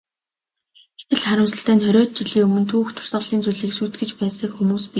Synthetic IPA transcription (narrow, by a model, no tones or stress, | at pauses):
ɡe̥t̪ʰɘ̆ɮχaɾə̆msə̆ɬt̪æːnχœɾʲɔːt̪̚t͡ɕiɮiːɵmɵ̆nt̪ʰuːxt̪ʰʊ̥r̥sə̆ɮiːnt͡sujɮiːksujt̪ɡɘ̆t͡ɕpæːsə̆kxumuːspi